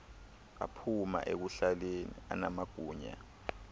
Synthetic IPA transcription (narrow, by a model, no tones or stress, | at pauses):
a̰pʰuma̰ʔek̬uɬalenḭa̰namaɡ̥ʱuːɲa̰